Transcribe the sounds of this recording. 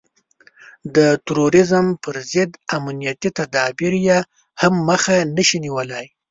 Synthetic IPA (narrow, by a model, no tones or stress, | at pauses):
d̪ət̪ɾoɾɪzəmpəɾzɪd̪amnijat̪it̪ad̪ɑbɪɾje | hamːəxanəʃiniwəlaj